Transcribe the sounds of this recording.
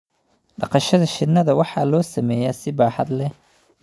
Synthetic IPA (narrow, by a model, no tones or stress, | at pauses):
ɖɑqɑʃɐðɐʃɪnːɐðɐwɑħɑːlɔːsɐmɛːjaːsɪbaːħɑd̪lɛ